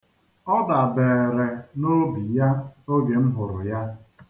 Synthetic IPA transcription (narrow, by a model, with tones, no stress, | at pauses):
ɔ˦da˨beː˨ɾe˨no˦bi˨ja˦o˦ɡe˨m̩˦ɦʊ˨ɾʊ̰˨ja˦